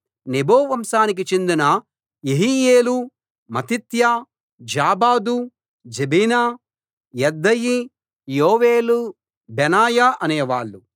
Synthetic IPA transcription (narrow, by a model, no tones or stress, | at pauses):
neboːʋɐmʃaːnik̬it͡ʃe̞nd̪inɐ | jeɦijeːlu | mɐt̪it̪ja | d͡ʒaːbaːd̪u | d͡ʒebinaː | jɛd̪ːɐji | joːʋeːlu | bɛnaːjaʔɐneːʋaːɭːu